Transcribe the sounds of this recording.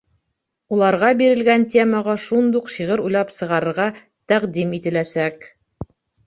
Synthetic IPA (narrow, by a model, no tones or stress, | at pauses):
ulˠɑɾʁɑbiɾɘ̆lɡænt̪ʲeməʁɑʃund̪uqʃiʁɤɾujlˠɑpsɤ̆ʁɑɾɤ̆ɾʁɑ | t̪æqd̪imit̪ɘ̆læsæk